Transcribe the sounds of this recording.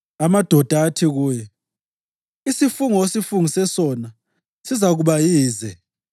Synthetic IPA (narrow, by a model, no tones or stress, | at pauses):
amad̥ʱɔd̥ʱaːtʰiɣuːjɛ | isifuŋɔesifuŋisɛsɔna | sizaɣuɓajiːzɛ